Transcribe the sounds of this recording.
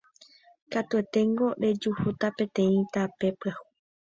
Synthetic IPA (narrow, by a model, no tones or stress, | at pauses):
kat̪ue̞t̪e̞ŋɡo̞ɾe̞d͡ʒuhut̪apẽ̞t̪ẽ̞ĩt̪ape̞pahu